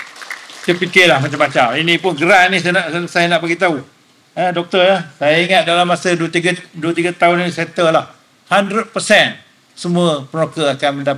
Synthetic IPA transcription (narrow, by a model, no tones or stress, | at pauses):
təpikɪlahmat͡ʃamːat͡ʃaminĩpʊnɡəɾanisnaʔsajanaʔpaɡit̪au | ədɔk̚t̪əjahsajaiŋat̪̚dalamːasədt̪iɡduət̪iɡat̪aʊniisɛt̪əlah | handɾət̪̚pəsɛn | səmũəpənokəakanmənda